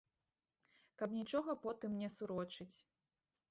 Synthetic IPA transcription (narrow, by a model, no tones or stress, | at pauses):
kɐpnʲit͡ʂɔɣɐpɔt̪ɨmnʲɛsuɾɔt͡ʂɨt͡sʲ